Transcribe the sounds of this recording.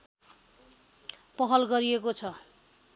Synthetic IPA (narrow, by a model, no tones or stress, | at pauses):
pʌɦʌlɡʌɾiekot͡sʰʌ